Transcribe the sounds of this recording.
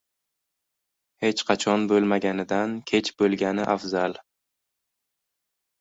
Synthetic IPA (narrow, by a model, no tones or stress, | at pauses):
he̞t͡ʃqʰɑt͡ʃʰɒnbolˠmaɡʲanɪd̪ankʲʰe̞t͡ʃbolˠɡʲanɪʔafzal